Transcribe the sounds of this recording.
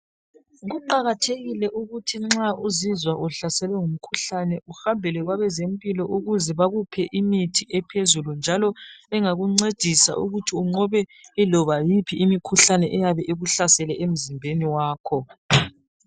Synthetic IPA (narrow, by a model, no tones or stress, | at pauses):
ɣuǃaɣatʰeɣilɛʔuɣutʰiŋ͡ǁaʔuzizwaʔuɬasɛlwɛŋum̩kʰuɬanɛuxambʱɛlɛɣwaβɛzempʼilɔʔuɣuzɛβaɣupʰɛʔimitʰiʔɛpʰezulund͡ʒʱalɔɛŋaɣuŋ͡ǀed̥ʱisa̰ʔṵɣutʰiuŋ͡ǃɔβɛilɔβajipʰiːmikʰuɬanɛʔɛjaβɛʔeɣuɬasɛlɛʔem̩zimbʱeniwaːkʰɔ